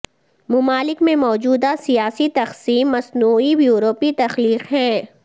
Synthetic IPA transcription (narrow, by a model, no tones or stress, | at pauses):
mʊmaːlɪkmẽmɔːd͡ʒuːd̪asijaːsit̪ɐxsiːmːɐsnuːijuːɾoːpit̪ɐxliːqɦɛ̃ː